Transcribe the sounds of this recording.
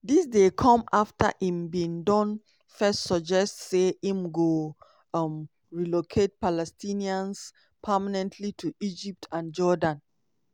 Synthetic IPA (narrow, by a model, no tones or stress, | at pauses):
disdekʰɔ̃maftə̰hĩmbĩŋdɔ̃n | fɛstsɔd͡ʒɛstseĩmɡo | m | ɹilokʰet̚palɛstʰĩniãns | pʰəmanɛ̃ntʰlitʰuʔid͡ʒip̚tʰãnd͡ʒɔdãn